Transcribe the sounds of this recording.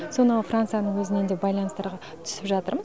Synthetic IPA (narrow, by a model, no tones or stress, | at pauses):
so̞nəəfrant̪sɨjanəɴwɵzɪne̞nd̪ebɑjlˠɑnəst̪ɑɾʁɑ | t̪ʰʏ̥sɪpʒɑt̪əɾməz